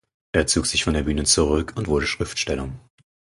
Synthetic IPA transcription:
ʔeːɐt͡soːkz̥ɪçfɔndeːɐbyːnət͡suʁʏkʰʊntv̥ʊɐɾəʃʁ̥ɪftʃtɛlʊŋ

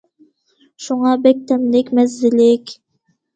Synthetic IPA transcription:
ʃuŋɑbɛk̚t̪ʰɛmlɪkʲmɛzːɪlɪkʲ

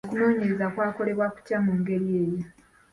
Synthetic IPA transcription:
kuno̞ːɲe̞ɾe̞zakwaːko̞le̞βwaku̥camuːŋɡe̞ɾie̞ːjo

